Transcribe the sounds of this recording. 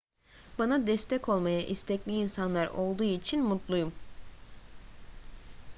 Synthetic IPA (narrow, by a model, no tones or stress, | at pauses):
banad̪ɛst̪ʰɛkʰo̞lˠmajaʔist̪ʰɛclʲiːnsanlˠaɾo̞lˠd̪uːit͡ʃʰinmut̪lˠujum